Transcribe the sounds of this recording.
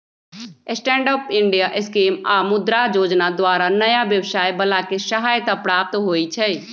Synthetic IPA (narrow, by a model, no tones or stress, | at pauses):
ɪsʈɛ̃ːɳɖəːpɪ̃ɳɖijaʔɪskeːmaːmʊd̪ɾad͡ʒoːd͡ʒnad̪waːɾanɐjaʋjəwʃaːjbɐlaːkeʃɐɦaːjət̪apɾaːp̚t̪ɦoːit͡ʃʰɛː